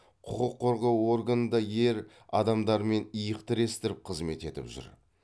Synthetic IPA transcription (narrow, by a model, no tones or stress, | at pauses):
qʰʊqəqʰːo̞ɾʁɑwo̞ɾɡanənd̪ɑje̞ɾ | ɑ̰d̪ɑmd̪ɑɾme̞nijəqt̪ɪɾe̞st̪ɪɾɪp̚qʰəzme̞t̪e̞t̪ɪ̰pʒʏ̰ɾ